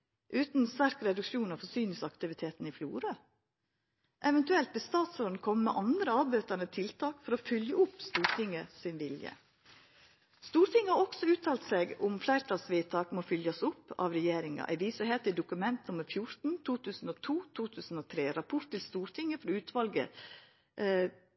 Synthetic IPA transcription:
ʔʉːt̪nst̪æɾkɾɛd̪ʉkʂuːnɑfɔsyːnɪsɑkt̪ɪʋɪt̪ʰeːt̪n̩ɪflṵːɾɑ | ʔɛʋɛnt̪ʉɛlt̪̚bɛst̪ɑːt̪sɾɔnkʰɔmːɛ̰ʔɑnd̪ɾəɑːbøːt̪æɳət̪ʰɪlt̪ʰɑːkfɔɾofʏljəʊpːst̪uːɾt̪ʰɪŋːəsɪnʋɪljə̰ | st̪uːɾt̪ʰɪŋːəhɑɾɔksɔʉːt̪ʰɑːlt̪sɛɡʊmflæɪɾt̪ʰɑlsʋiːt̪ʰɑːkmofʏljɑsʊpːɑ̰ʋɾɛjeːɾɪŋɑ̰ʔæ̰ʋiːsøheːt̪ɪd̪ʊkʉmɛnt̪nʊmːəɾfjʊɾt̪n̩t̪ʰuːt̪ʰʉːsn̩ot̪ʰuːt̪ʰuːt̪ʰʉːsn̩oːt̪ʰɾeːɾɑpʰʊɾt̪ːɪlst̪uːɾt̪ʰɪŋːəfɔɾɔʉːt̪ʰʋɑlɡə̰

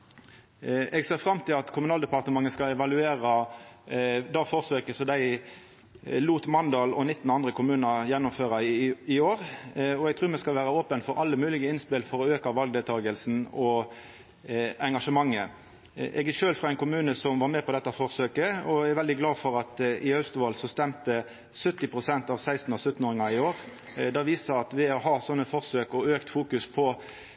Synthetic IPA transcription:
ɛɡseːʁfʁɑmːt̪ʰɪlɑt̪kʰʊmʉnɑːld̪ɛpɑʁt̪əmɑŋːəskɑlɛʋɑlʉeːʁɑ | d̪ɑfɔʁsøːkəsɔd̪æɪ | luːt̪mɑnd̪ɑːlɔnɪt̪ːn̩ɑnd̪ɾəkʰʊmʉːnəjɛnːʊmføːɾɑɪoːɾɔɛɡ̚t̪ʰɾʉːɾmɛskɑlʋæːɾɑoːpənfɔɾʔɑlːəmʉːlɪɡəɪnspɪlfɔɾɔøːkɑʋɑlɡ̚d̪eːlt̪ʰɑːɡəlsn̩ɔ | ɛŋɡɑʂəmɑŋːə | ʔɛ̰ɡɪʃøːlfʁɑæɪnkʰʊmʉːnəsɔmʋɑɾmɛpʰɔd̪ɛt̪ːɑfɔʁsøːkəɔɛɾʋɛld̪ɪɡlɑːfɔɾɑt̪ɪhɑʉst̪ʋɑːlsɔst̪ɛmt̪ə | sœt̪ːɪpʰʁʊsɛnt̪ɑːʋsæɪst̪n̩ɔsʉt̪ːn̩oːɾɪŋɑɪoːʁ | d̪ɑʋiːsəɑt̪ʋɛɔɦɑːsɔnːəfɔʁsøːkɔøːkt̪fuːkʉspʰɔ

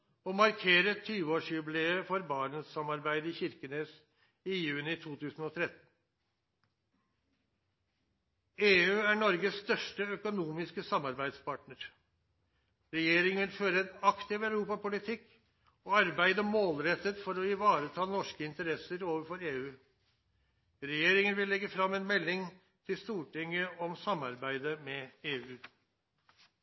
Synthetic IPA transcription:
ɔmɑɾkʰeːɾət̪ʰyːʋəoːʂjʉbleəfɔɾbɑːɳənsɑmɑɾbæɪd̪əɪçɪɾkəneːs | ɪjʉːnɪt̪ʰuːt̪ʰʉːsn̩ɔt̪ʰɾɛt̪n̩ | eːʉːæɳɔɾɡəsst̪œʂʈəœkʊnuːmɪskəsɑmɑɾbæɪd̪spʰɑːʈnəɾ | ɾɛjeːɾɪŋʋɪnføːɾəɛnɑkt̪ɪʋæʉɾuːpɑpʊlɪt̪ʰɪk | oːɑɾbæɪd̪əmoːlɾɛt̪ːət̪fɔɾɔɪʋɑːɾət̪ʰɑːnɔʂkəɪnt̪əɾɛsəɾoːʋəɾfɔɾeːʉː | ɾɛjeːɾɪŋənʋɪlːɛɡəfɾɑmːɛeːnmɛlːɪŋ | t̪ʰɪlst̪uːʈɪŋəɔmsɑmɑɾbæɪd̪əmɛeːʉː

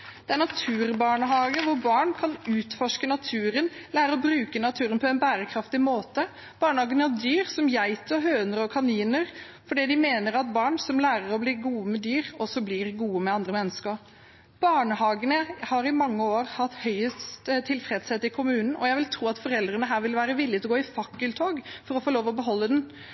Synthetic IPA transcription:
d̪̥ɛæɳɑt̪ʰʉːɾbɑːɳəɦɑːɡənʋʊɾbɑːɳkʰɑnʉːt̪fɔʂkənɑt̪ʰʉːɾənlæːɾəɔbɾʉːkənɑt̪ʰʉːɾənpʰɔɛnbæːɾəkʰɾɑft̪ɪmoːt̪ə | b̥ɑːɳəhɑːɡənəhɑd̪yːɾsɔmjæɪt̪əɔɦøːnəɾəɔkʰɑniːnəɾ | fɔɖiːd̪ɪmeːnəɾɑt̪̚bɑːɳsɔmlæːɾəɾɔbliːɡuːəmɛd̪yːɾɔsɔblɪɾɡuːəmɛɑnd̪ɾəmɛnːəskəɾ | b̥ɑːɳəhɑːɡənəhɑɾɪmɑŋːəoːɾhɑt̪ːhœʏət̪t̪ʰːɪlfɾɛd̪shɛːt̪ɪkʰʊmʉːnn̩ʔɔ̰jæɪʋɪlt̪ʰɾuːɑt̪fɔɾɛld̪ɾənəɦæːɾʋɪlʋæːɾəʋɪlɪt̪ʰlɔɡoːɪfɑkːəlt̪ʰoːɡfɔɾɔfɔːloːʋɔbəɦɔlːəd̪ɛn

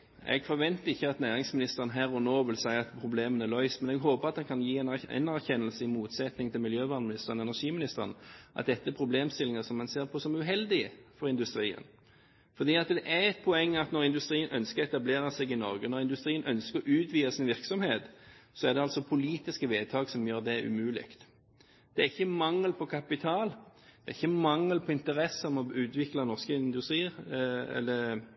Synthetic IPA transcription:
ɛ̰ɡfɔɾʋɛnt̪əɪçːəɑt̪næːʁɪŋsmɪnɪst̪əʁənɦæːɾɔnoːʋɪlsæɪəʁɑt̪pʰʁʊbleːmənælœʏsmɛnɛɡɦoːpəʁɑt̪̚d̪ɛnkʰɑnjiːɛnɛ̰næʁçɛnːəlsəɪmuːt̪sɛt̪nɪŋt̪ʰɪlmɪljøːʋɑːʁnmɪnɪst̪əʁənɛnæɾʂiːmɪnɪst̪əʁənʔɑ̰t̪̚d̪ɛt̪ːəæpʰʁʊbleːmst̪ɪlːɪŋəsɔmːɛnseːɾpʰɔsɔmʉɦɛld̪ɪfɔɾɪnd̪ʉst̪ɾiːə̰n | fɔʁd̪iːɑt̪d̪ɛʔæɾɛt̪̚pʰʊɛŋːɑt̪nɔɾɪnd̪ʉst̪ɾiːənʔœnskəʁɛt̪ɑbleːɾɑsɛɡɪnɔɾɡənɔʁɪnd̪ʉst̪ʁiːənʔœnskəɾɔʔʉːt̪ʰʋiːəsɪnʋɪʁksɔmheːt̪sɔæʁd̪ɛɑlsɔpʰʊliːt̪ɪskəʋeːt̪ʰɑːɡsɔmjøːʁd̪ɛʉ̰mʉːlɪ̰kt̪ | d̪̥ɛæɾɪçːəmɑŋːəlpʰɔkʰɑpɪt̪ʰɑːld̪̥ɛʁɪçːəmɑŋːəlpʰɔɪnt̪əɾɛsəɔmɔʉːt̪ʋɪklɑnɔʁskəɪnd̪ʉst̪ɾiːəɛ̰lːə

